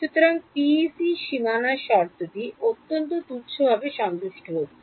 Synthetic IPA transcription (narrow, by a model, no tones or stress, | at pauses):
ʃut̪oɾaŋpisiʃimanaʃɔɾt̪ot̪iot̪ːont̪ot̪uɾt͡ɕʰobʱabeʃɔŋd̪uʃʈoɦotːʰe